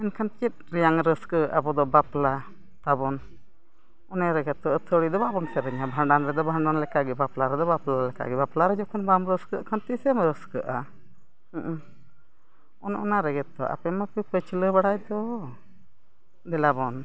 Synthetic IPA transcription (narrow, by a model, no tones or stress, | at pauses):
ɛnkʰant͡ʃit̪̚ɾɛjaŋɾəskəʔabɔd̪ɔbapla | t̪abɔn | ɔnɛɾɛɡɛt̪ːɔət̪ʰəɽid̪ɔbabɔnsɛɾɛɲabʱaɳɖanɾɛd̪ɔbʱaɳɖanlɛkaɡɛbaplaɾɛd̪ɔbaplalɛka̰ɡɛbaplaɾɛd͡ʒɔkʰɔnbamɾəskəʔkʰant̪isɛmɾəskəʔa | ʔ | ɔnʔɔ̰naɾɛɡɛt̪ːɔ̰ʔa̰pɛmapipət͡ʃləbaɽajd̪ɔ | d̪ɛlabɔn